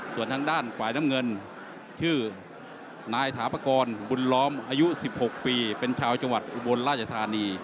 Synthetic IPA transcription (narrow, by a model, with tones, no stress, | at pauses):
su˨˩ənt̪ʰaː˧ŋdaː˥˩nfaː˨˩jna˦˥mŋɤ˧n | t͡ɕʰɯː˥˩ | naː˧jt̪ʰaː˩˦pa˧kɔː˧nbu˧nlɔː˦˥mʔaː˧ju˦˥si˨˩p̚ho˨˩k̚piː˧pe˧nt͡ɕʰaː˧wt͡ɕa˧ŋwa˨˩t̪̚ʔu˨˧˩bo˧nɾaː˥˩t͡ɕʰa˧t̪ʰaː˧niː˧